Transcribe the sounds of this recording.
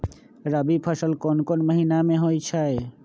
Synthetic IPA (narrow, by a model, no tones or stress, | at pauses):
ɾəbipʰəsəlkonkonməɦinameɦojt͡ʃʰəe